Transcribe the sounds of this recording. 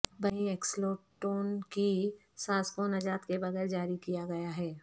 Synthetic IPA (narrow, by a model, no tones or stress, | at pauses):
bɐɦĩeːksloːʈoːnki | saːskoːnɐd͡ʒaːt̪kebɐɣɛːɾd͡ʒaːɾikijaɡɐjaɦɛː